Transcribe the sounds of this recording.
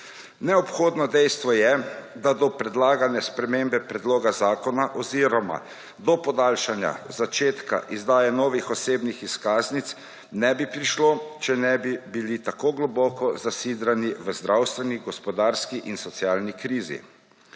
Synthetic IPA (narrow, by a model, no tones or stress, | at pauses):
nɛɔpxoːd̪nɔd̪ɛjst̪ʋɔjɛd̪ad̪ɔpɾɛd̪laːɡanjɛspɾɛmembɛpɾɛd̪loːɡazaːkɔnaʔɔziɾɔma̰ | d̪ɔpɔd̪aːlʃanja̰zat͡ʃeːt̪ka̰ʔizd̪aːjɛnɔːʋixɔseːbnixiskaːznit̪s | nɛbipɾiʃlot͡ʃɛnɛbibilit̪akoɡlɔbɔːkɔzasiːd̪ɾaniʋəzd̪ɾawst̪ʋɛniɡɔspɔd̪aːɾskiʔinsɔt̪sjaːlnikɾiːzḭ